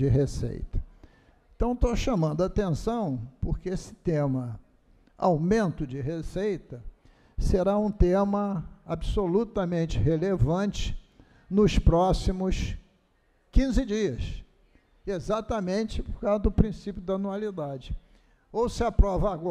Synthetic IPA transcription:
ɪɦesḛjt̪ɐ̥ | ẽt̪ɐ̃w̃t̪oʃɐmɐ̃nd̪ʊat̪ẽsɐ̃w̃pʊɾkeesɪ̥t̪ẽmɐ | a̰wmẽnt̪ʊd͡ʒɪɦesejt̪ɐ | seɾaũt̪ẽmɐabsolut̪ɐmẽnt͡ʃɪɦelevɐ̃t͡ʃɪ̥ | nʊspɾɔsimʊs | kĩzɪd͡ʒiɐs | ezat̪ɐmẽnt͡ʃɪpʊkawzɐd̪ʊpɾĩsipjʊd̪ɐːnualid̪ad͡ʒɪ | owsɪapɾɔvɐaɡɔ

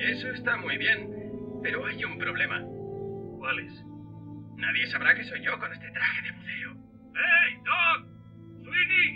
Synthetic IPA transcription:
e̞so̞est̪amujβje̞npe̞ɾo̞ajumpɾo̞β̞le̞ma̰ | kwale̞s | naðje̞saβɾake̞so̞jʝo̞ko̞nest̪e̞t̪ɾaxe̞ðe̞muse̞o | ejt̪ok̚ | swiði

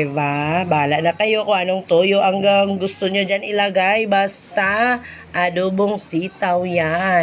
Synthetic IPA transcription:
ɛbabaːlaʔnɐkɐjokoŋʔɐnoŋt̪oːjoʔaŋɡaŋɡʊst̪oɲod͡ʒanɪlɐɡajbast̪a | ʔad̪uboŋsiːt̪awja

